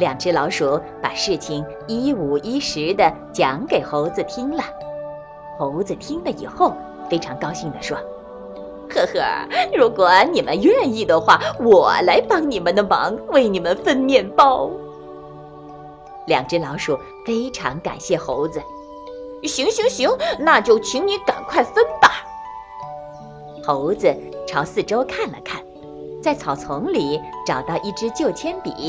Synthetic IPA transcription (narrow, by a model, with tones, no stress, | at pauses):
ljɑ˨˩ŋʈ͡ʂɻ̩˥lɑ˧˥ʊʂu˨˩˦ | pa˨˩ʂɻ̩˥˩t͡ɕʰi˥˩ŋ | i˥u˨˩i˥ʂɻ̩˧˥d̪ə˧t͡ɕjɑ˧˥ŋke˨˩ɪxo˧˥ʊd͡zɹ̩˧t̪ʰi˥ŋlə˨ | xo˧˥ʊd͡zɹ̩˧t̪ʰi˥ŋd̪ə˨ḭ˨˩xo˥˩ʊ | fe˥ɪʈ͡ʂʰɑ˧˥ŋkɑ˥ʊɕi˥˩ŋd̪ə˩ʂwɔ˥ | xɤ˥˧˩xɤ̰˧˩ɻu˧˥kwɔ˨˩˦ni˨˩mə˦nɥɛ˥˧ni˥˩d̪ə˩xwa˥˩wɔ˨˩la˧˥ɪpɑ˥ŋni˨˩mə˧˦nd̪ə˧mɑ̰˧˥ŋwe˥˩ɪni˨˩mə˦nfə˥˧nmjɛ˥˩npɑ˥ʊ | ljɑ̰˨˩ŋʈ͡ʂ̩˥lɑ˧˥ʊʂu˨˩ | fe˥ɪʈ͡ʂʰɑ˧˥ŋka̰˨˩nɕjɛ˥˩xo˧˥ʊd͡z̩˧ | ɕi˧˥ŋɕi˧˥ŋɕi˧˥ŋna˥˧t͡ɕjo˥˩ʊt͡ɕʰy˧˥ŋni˧˥ka˨˩nkʰwa˥˩ɪfə˥npa˨˩ | xo˧˥ʊd͡z̩˧ʈ͡ʂʰɑ˧˥ʊsɹ̩˥˩ʈ͡ʂo˥ʊkʰa˥˩nlə̰˨˩kʰa˥˩n | t͡sa˥˩ɪt͡sʰɑ˨˩ʊt͡sʰʊ˧˥ŋli˨˩˦ʈ͡ʂɑ˨˩ʊt̪ɑ˥˧ʊʔi˥˩ʈ͡ʂɻ̩˥t͡ɕjo˥˩ʊt͡ɕʰjɛ˥npḭ˨˩˦